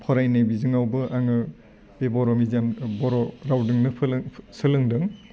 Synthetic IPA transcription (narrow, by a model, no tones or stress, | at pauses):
pʰɔɾajnajbizɯŋawbɯʔaŋɯ | bebɔɾɔmizambɔɾɔɾawdɯŋnɯsɯlɯŋdɯŋ